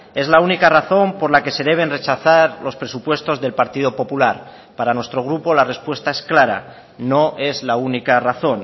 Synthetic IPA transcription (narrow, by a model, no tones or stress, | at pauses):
e̞zlaunikaraθo̞mpo̞ɾlake̞se̞ð̞e̞β̞e̞nre̞t͡ʃaθaɾlo̞spɾe̞supwe̞st̪o̞zðe̞lpaɾt̪ið̞o̞po̞pulaɾ | paɾanwest̪ɾo̞ɣ̞ɾupo̞lare̞spwe̞st̪ae̞sklaɾa̰ | no̞ʔe̞zlaunikaraθo̞n